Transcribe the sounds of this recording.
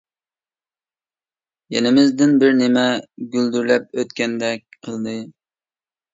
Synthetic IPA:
jɛnɪmɪzd̪ɪnbɪɾnɪmɛɡʲyld̪yɾlɛp̚øt̪kʲɛnd̪ɛk̚ʲqʰəlˠd̪ɨ

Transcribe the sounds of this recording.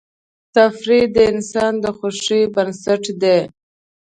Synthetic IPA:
t̪afɾid̪əɪnsɑnd̪əxoʂibənsaʈd̪e

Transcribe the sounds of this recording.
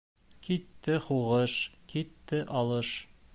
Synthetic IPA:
kit̪ːɘχuʁɤʃkit̪ːɘʔɑlˠɤʃ

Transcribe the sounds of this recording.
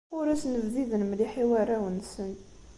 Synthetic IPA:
ʊɾæsnəvðiðənmliħiwæɾæwənsən

